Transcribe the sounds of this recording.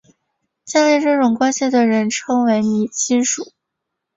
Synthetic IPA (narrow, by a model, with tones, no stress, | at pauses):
t͡ɕa˥˧we˥˧ʈ͡ʂɤ˥˩ʈ͡ʂʊ˨˩ŋkwa˥nɕi˨˩d̪ə˩ɻə˧˥nʈ͡ʂʰɤ˥ŋwe˧˥ɪni˨˩t͡ɕi˥nʂu˨˩˦